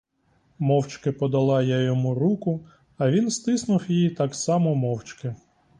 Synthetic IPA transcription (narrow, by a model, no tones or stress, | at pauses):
mɔwt͡ʃkɪpɔd̪ɐlˠɑjajɔmuɾukʊ | ɐʋʲinst̪ɪsnʊwjijit̪ɑksɑmɔmɔwt͡ʃkɪ